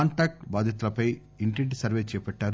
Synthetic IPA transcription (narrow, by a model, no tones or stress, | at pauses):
aːɳʈaːk̚ʈbaːd̪ʱit̪̬ulɐpɐj | iɳʈeɳʈsɐɾʋeːt͡ʃɛːpɛʈːaːɾ